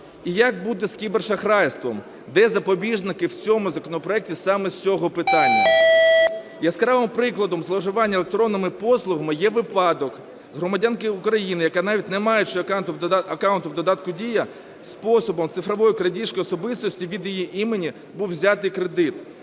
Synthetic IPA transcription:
ijak̚bud̪ɛskʲibɛrʃɐxɾɑjst̪ʋɔm | d̪ɛzɐpɔbʲiʒnɪkɪwt͡sʲɔmʊzɐkɔnɔpɾɔɛk̚tʲisɑmɛt͡sʲɔɦɔpɪt̪ɑnʲːɐ | jaskɐzɑʋɪmpɾɪklˠɐd̪ɔmzlˠɔʒʊʋɑnʲːɐelˠekt̪ɾɔnːɔmɪpɔslˠʊɦɐmɪjɛʋɪpɑd̪ɔk | zɦɾɔmɐdʲankɪʊkɾɐjinɪjɐkɑnɑʋʲit̚ʲnɛmɑjet͡ʃɪɐkɑwnt̪ʊwd̪ɔd̪ɑt̪kʊdʲijɐ | spɔsɔbɔmt̪sɪfɾɔʋɔjʊkɾɐdʲiʃkɪɔsɔbɪst̪ɔsʲtʲiʋʲid̪jijiʔimenʲi | buwzʲɑt̪ɪjkɾed̪ɪt̪

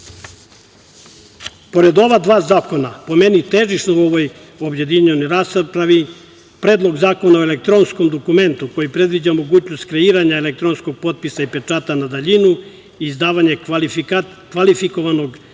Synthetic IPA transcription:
po̞ɾe̞d̪o̞ʋad̪ʋaːzaːko̞napo̞menit̪eːʒiʃnouo̞ʋo̞j | o̞bje̞d̪iɲenojɾaspɾaʋi | pɾe̞ːd̪lˠo̞ɡzaːko̞nao̞elek̚t̪ɾo̞nsko̞md̪o̞kume̞nt̪uko̞jipɾe̞d̪ʋid͡ʑamo̞ɡuːt͡ɕno̞st̪kɾe̞iːɾaɲaelek̚t̪ɾo̞nsko̞ɡ̚po̞t̪̚pisaipe̞t͡ʂaːt̪anad̪aʎinu | iːzd̪aːʋaɲe̞ | kʋalifiko̞ʋano̞ɡ

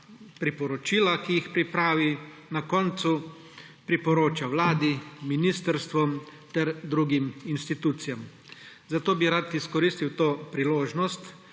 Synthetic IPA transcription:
pɾipɔɾɔt͡ʃiːlakijixpɾipɾaːʋinakɔːnt̪su | pɾipɔɾoːt͡ʃawlaːd̪iminiːst̪ɛɾst̪ʋɔmt̪ɛɾd̪ɾuɡiminst̪it̪uːt̪sijam | zat̪oːbiɾat̪iskɔɾiːst̪iwt̪oːpɾiloːʒnɔst̪

